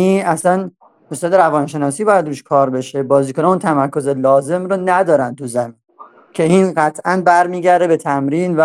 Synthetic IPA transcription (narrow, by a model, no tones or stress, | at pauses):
inʔæslæn | mosd̪ɒːd̪eɾævɒnʃe̞nɒːsiːbɒːjæd̪ɾuːʃkʰɒːɾbe̞ʃe̞bɒːziːkonɛunt̪ʰæmæɾko̞zelɒːze̞mɾonæd̪ɒːɾæn̚t̪ʰuzæmin | cʰe̞iːnɢæt̪ʰʔænbæɾmiːɟæɾd̪e̞bet̪ʰæmɾiːnvæ